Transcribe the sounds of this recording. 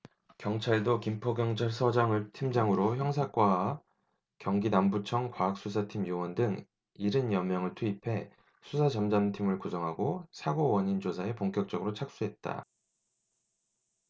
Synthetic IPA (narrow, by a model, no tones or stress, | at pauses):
kjʌŋt͡ɕʰaɭdokimpʰʌɡjʌŋt͡ɕʰaɭsʰʌd͡ʑaŋɯɭtʰimd͡ʑaŋɯɾoçjʌŋsʰak͈wa | kjʌŋɡinambut͡ɕʰʌŋkwaːk̚s͈us̬ʰatʰimjowʌndɯŋ | iɾɯnjʌmːjʌŋɯɭtʰuipʰe̞ | sʰusʰad͡ʑʌmd͡ʑamtʰimɯɭkusʰʌŋɦaɡosʰaɡowʌɲind͡ʑosʰae̞poŋk͈jʌk̚t͡ɕ͈ʌɡɯɾot͡ɕʰak̚s͈uɦe̞t̚t͈a̰